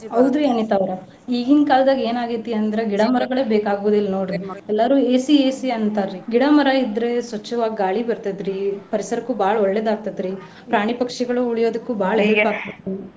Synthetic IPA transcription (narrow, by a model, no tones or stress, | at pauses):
ɐwd̪uɐnit̪aʋɾɐ | iːɡinkaːld̪aːɡe̞ːnaːɡit̪ːijɐnd̪ɐɾeɡiɽaːmɐɾɐɡɐɭeːbeːkaːɡuʋud̪ilːnoːɽɾiɛlːaɾuːeːsieːsiɐnt̪aɾɾiɡiɽaːmɐɾaid̪ɾe̞sʋɐt͡ʃːɐʋaːɡaːɭibɐɾt̪ɐd̪ɾipɐɾisɐɾɐkːuːbʱaːɭɐɔɭːeːd̪aːɡ̚t̪ɐd̪ɾi | pɾaːɳipɐkʂɛɡɐɭuuɭijo̞ːd̪ɐkːuːbʱaːɭɐɦelpaːɡ̚t̪ɐɾt̪ii